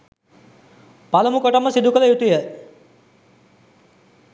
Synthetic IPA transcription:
palɐmukoʈomːəsid̪ukələjut̪ujə

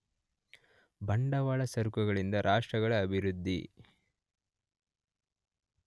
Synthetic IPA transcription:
bɐɳɖɐʋaːɭɐsɐɾukɐɡɐɭind̪ɐɾʔaːʂʈɾɐɡɐɭɐːbʱiɾud̪ʱːḭ

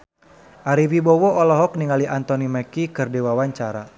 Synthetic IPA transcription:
ʔaɾiwibɔwɔɔlɔɦɔk̚niŋaliʔant̪ɔnimɛkikɨrdewawaɲt͡ʃaɾa

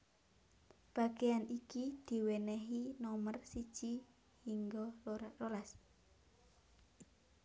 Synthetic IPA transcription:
b̥a̤ɡ̥ejanikid̪̥i̤wenɛɦinɔmərsid̥ʒ̥i | hiŋɡolololas

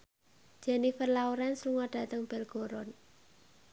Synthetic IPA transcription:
d͡ʒ̥ɛnifərlauɾɛnsluŋɔɖ̥a̤t̪əŋb̥ɛlɡ̥o̤ɾɔn

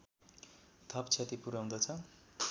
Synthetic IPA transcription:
t̪ʰʌpt͡sʰet̪ipuɾaw̃d̪ʌt͡sʰʌ

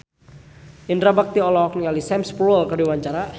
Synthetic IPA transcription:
indɾabak̚t̪iɔlɔɔk̚nialisɛmspɾuəlkərdiwaɲt͡ʃaɾa

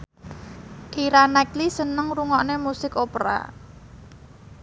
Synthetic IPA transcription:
ʔiɾanɛklisənəŋruŋɔʔnemusɪkopɾa̰

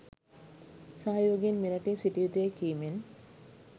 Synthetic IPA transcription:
saɦajʋoɡienmiɾɐʈisiʈiʋit̪ujekiːmen

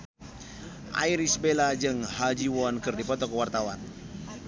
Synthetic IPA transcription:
ʔa̰iɾisbelad͡ʒɨŋhad͡ʒiwɔnkɨrdipɔt̪ɔkəwart̪awan

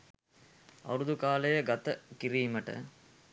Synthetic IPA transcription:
ɐ̰ɾud̪ukaːlɐjɐɡɐt̪ɐkiɾiːmɐʈɐ̰

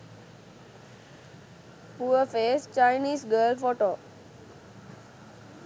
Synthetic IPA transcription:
puəfeːst͡ʃaɪniːsɡəːlfoːʈoː

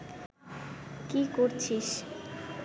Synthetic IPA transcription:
kikoɾt͡ɕʰiʃ

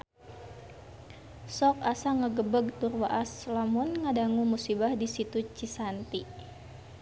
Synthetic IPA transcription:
sɔkasaŋəɡəbəɡ̚t̪urwaʔaslamunŋadaŋumusibahdisit̪ut͡ʃisant̪i

